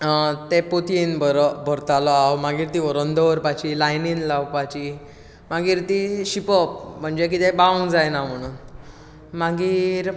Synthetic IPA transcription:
t̪epot̪inbəɾbʱəɾt̪alɔawmaɡiːɾt̪iɔɾənd̪əʋəɾpajt͡ɕilajninlawpat͡ɕi | maɡiːɾt̪iɕipɔp̚m̤əɳd͡ʑek̬it̪ɛ̃baʋəŋɡd͡zajnam̤əɽ̃uːn | maɡiːɾ

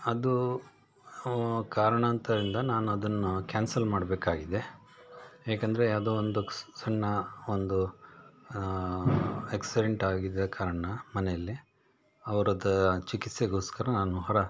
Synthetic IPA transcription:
ɐd̪u | kaːɾɐɳɐːnt̪ɐd̪ɾind̪ɐnaːnuɐd̪ɐnːukʲaːnsɐlmaːɖbeːkaːɡid̪e̞ | ɦeːkɐnd̪ɐɾejaːd̪oːond̪usɐɳːɐond̪u | eksiɖeɳʈaːɡid̪ːɐkaːɾɐɳɐmɐnejɐlːi | ɐʋɐɾɐd̪ɐt͡ʃikit̪seɡo̞ːskɐɾɐnaːnuɦɔɾɐ

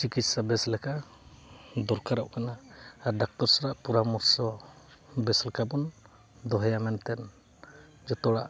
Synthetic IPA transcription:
t͡ʃikit̪sabɛslɛka | d̪ɔɾkaɾɔʔkanaːɾɖak̚t̪ɔɾsaɾaʔpuɾamɔɾsɔ | bɛslɛkabɔn | d̪ɔɦɛjamɛnt̪ɛn | d͡ʒɔt̪ɔɽaʔ

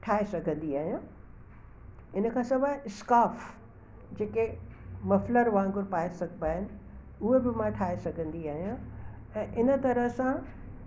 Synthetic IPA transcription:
ʈʰaːesɐɡʱə̃nd̪iaːɦijã | ɪnə̆kʰãːsɐbʱəɪskaːf | d͡ʑeːkemɐfləɾʋãːŋɡʊɾpaːesɐɡʱtaːɦɪnɪ̆ | uɦebɪmãʈʰaːesɐɡʱə̃nd̪iaːɦijã | ɛ̃ːʔɪnət̪ɐɾəɦsã

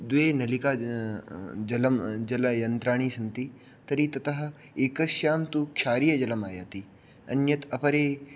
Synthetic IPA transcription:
d̪ʋeːnɐlikaː | d͡ʒɐlɐmd͡ʒɐlɐjɐnt̪ɾaːɳ̃iːsɐnt̪i | t̪ɐɾit̪ɐt̪ɐɦɐ̆ | eːkɐʃjaːmt̪ukʃaːɾijɐd͡ʒɐlɐmaːja̰ːt̪i | ɐ̰njɐt̪ɐpɐɾeː

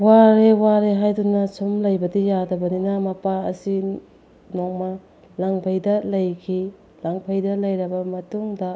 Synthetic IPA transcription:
waɾewaɾeɦajdunɐsumlɐjbɐdijadɐbɐninɐmɐpaɐ̰si | nok̚mɐ | laŋpʰɐjdɐlɐjkʰi | laŋpʰɐjdɐlɐjɾɐbɐmɐtuŋdɐ

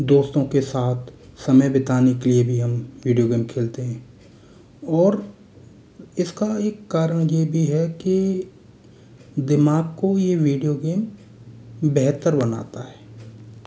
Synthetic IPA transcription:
d̪oːst̪õkesaːt̪ʰsɐməjbɪt̪aːnikeliebʱiɦɐmʋiːɖijoɡeːmkʰeːlt̪eɦɛ̃ː | ɔːɾ | ɪskaeːkːaːɾəɽ̃jebʱiɦɛki | d̪ɪmaːɡ̚kojeʋiːɖijoɡeːm | bɛɦt̪əɾbɐna̰ːt̪aɦɛː

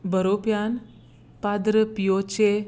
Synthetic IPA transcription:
bəɾopjan | pad̪ɾəpijot͡ʃe

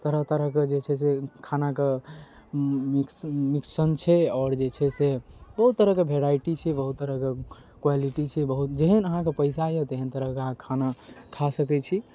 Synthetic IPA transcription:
t̪əɾəɦt̪əɾəɦked͡ʒet͡ʃʰɛs̬ekʰanake | mikmiksənt͡ʃʰɛɔːɾd͡ʒet͡ʃʰɛsebəɦut̪ːəɾəɦkebʱeɾajʈit͡ʃʰɛbəɦut̪ːəɾəke | kwaliʈit͡ʃʰɛbəɦut̪d͡ʒeɦənəɦãkepəɪsajet̪eɦənt̪əɾəɦkeəɦãkʰanakʰasəkɛt͡ʃʰi

